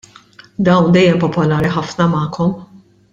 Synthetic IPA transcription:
d̪ɐwnd̪ɛjːɛmpɔpɔlɐːɾiħɐfnɐmɐːkʰɔm

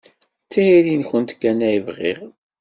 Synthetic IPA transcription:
t͡sːiiɾinçənt̪kːænæjəvʁḭʁ

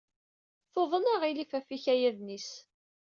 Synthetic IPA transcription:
θoðˤənaʁilifæfiçæjæðnis

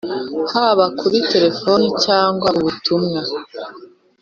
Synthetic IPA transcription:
haβakʰuɾite̞ɾe̞fo̞nicaːŋɡwauβutʰumŋa

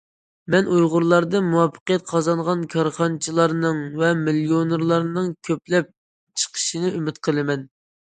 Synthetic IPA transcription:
mɛnʔujʁʊɾlˠɑɾd̪ɨmuwɑpːə̥qəjɛt̪̚qʰɑzɑnʁɑnkʲʰɑɾχɑnt͡ʃʰilˠɑɾnɨŋvɛmilˠjoneɾlˠɑɾnɨŋkʲʰøplɛp̚ | t͡ʃʰə̥qʰə̥ʃinɨymɪt̪qʰəlˠɨmɛn

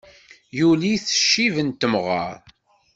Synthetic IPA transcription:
juliθə̥ʃːivənt̪ːəmʁə̰ɾ

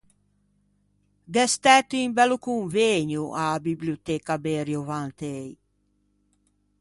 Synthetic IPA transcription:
ɡɛst̪ɛt̪uĩmbɛlukuɱveɲuʔabibliot̪ɛkabeɾjovãnt̪ej

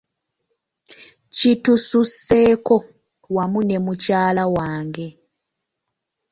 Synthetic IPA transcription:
citususːe̞ko̞ | wamune̞mucaːlawaːŋɡe̞

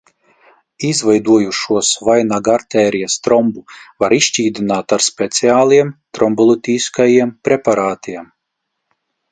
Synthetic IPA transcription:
izvajd̪uɔjuʃuɔsvajnaɡaɾt̪ɛːɾijast̪ɾɔmbuvaɾiʃt͡ʃʲiːd̪inaːt̪aɾspʲɛt̪siaːlˠiɛmt̪ɾɔmbɔlˠut̪ʲiːskajiɛmpɾepaɾaːt̪iɛm

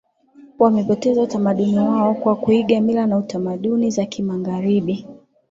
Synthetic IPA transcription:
wamɛpɔtɛzautamaɗuniwaɔkwakuiɠamilanautamaɗunizakimaɡaɾiɓi

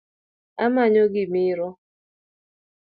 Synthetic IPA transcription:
amaɲoɡɪmɪɾɔ

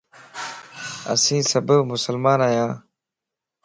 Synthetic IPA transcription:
ɐ̰sĩːsɐbɐbmʊsəlmaːnaːjãː

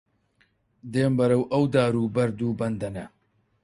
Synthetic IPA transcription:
d̪eːmbɐɾɐwʔɐwd̪aːɾuːbɐɾd̪uːbɐnd̪ɐnɐ

